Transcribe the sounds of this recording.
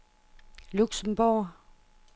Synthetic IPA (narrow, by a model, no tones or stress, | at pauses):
luɡ̥sɔmbo